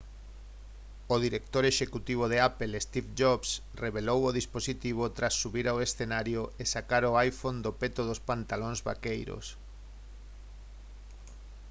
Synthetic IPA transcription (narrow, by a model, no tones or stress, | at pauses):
oðiɾek̚t̪oɾeʃekut̪iβ̞oðeapelest̪ifd͡ʒoβs | reβelowoðisposit̪iβ̞ot̪ɾasːuβiɾawesθenaɾjoesakaɾoajfond̪opet̪oðospant̪aloŋzβa̰kejɾo̰s